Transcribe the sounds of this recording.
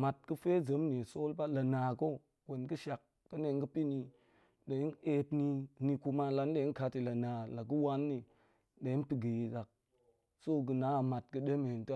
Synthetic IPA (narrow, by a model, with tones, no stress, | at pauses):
ma˨t̚kə˦fe˦zə˨˦mni˨so˦lba˦la˨naː˨ko˦ | we˨nkə˦ʃa˨k̚ːə˦ne˨ŋɡə˦pi˦ni˨ | ɗe˨i˦ne˦tni˧ni˧ku˧ma˦la˨˦nɗe˨i˦ka˦ti˨la˨naː˨la˨ɡ̬u˦wa˦nːi˨ | ɗe˨i˦npi˨ɡi˨i˨za˨k̚ | so˦ɡ̬ə˨na˨˦˨ma˨t̚kɨ˦ɗe˦me˨e˨nt